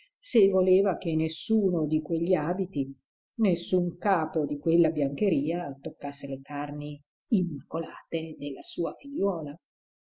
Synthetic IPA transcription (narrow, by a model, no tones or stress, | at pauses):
sevoleːvakenːesːuːnod̪ikweʎːiaːbit̪i | nesːuŋkaːpod̪ikwelːabjaŋkeɾiːat̪okːasːelekarni | imːakːolaːt̪ed̪elːasuːafiʎːɔːla